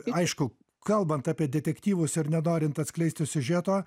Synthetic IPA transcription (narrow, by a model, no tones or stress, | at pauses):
ɐɪʃkʊ | kɐlˠbɐnt̪ɑːpʲiɛdʲɛt̪ʲɛkt̪ʲiːʋʊsɪɾnʲɛnoːɾʲɪnt̪ɐt̪sʲklʲɛɪsʲt̪ʲɪsʲʊʒʲæːt̪oː